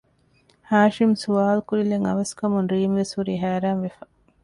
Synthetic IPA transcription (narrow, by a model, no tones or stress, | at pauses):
haːʃimsuʋaːlkuɾileŋɐ̰ʋɐskɐmunɾiːmʋesuɾiːɦæːɾaːnʋefɐ